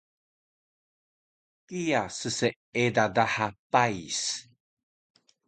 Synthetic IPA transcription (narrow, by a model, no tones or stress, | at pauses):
kijasəse | edadaħapajs